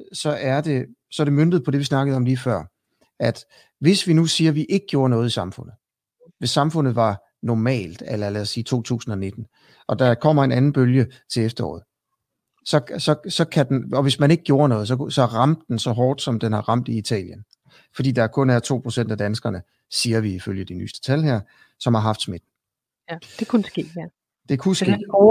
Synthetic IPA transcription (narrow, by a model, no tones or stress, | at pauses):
sɒ̽ʔæɐd̥e̝ | sɒ̽æd̥e̝mønd̥ð̩ˠpʰɒ̽d̥e̝ʋisnɑ̈ɡ̥əð̩ˠɒ̽mliːfɶɐ̰ | ʔæd̥ | ʋe̝sʋinusiːɐʋiʔe̝ɡ̥əɡ̥jo̝ːɐnɔ̽ːð̩ˠisɑ̈mfɔ̽n̰ð̩ˠ | ʋe̝sːɑ̈mfɔ̽nð̩ˠʋɑ̈ | nɒmɛ̰ːld̥elɐlɛ̰ːsiːt͡sʰo̝̰ːt͡sʰṵːsn̩ɒ̽ne̝d̥n̩ | ʔɒ̽d̥ɑ̈kʰɒ̽m̰ɐe̝nænn̩b̥øljət͡sʰe̝lefd̥ɐɒ̰ːð̩ˠ | sɒ̽sɒ̽sɒ̽kʰæd̥enɒ̽ʋe̝smæne̝ɡ̥əɡ̥jo̝ːɐnɔ̽ːð̞̩ˠs̬ɒ̽sɒ̽ʁɑ̈m̰d̥ːensɒ̽ɦɒːd̥sɒ̽md̥enhɑ̈ʁɑ̈m̰d̥iit͡sʰɛ̰ːljən | fɒd̥ḭːd̥ɑ̈æɐkʰɔ̽næɐt͡sʰo̝̰ːpʰʁo̝sen̰d̥æd̥ænsɡ̥ɐnə | siːɐʋiiføljəd̥iny̰ːsd̥ə̥t͡sʰælheɐ̰ | sɒ̽mhɑ̈ɦɑ̈fd̥smed̥n̩ | d̥ekʰunsɡ̥e̝̰ː | d̥e̝kʰusɡe̝ː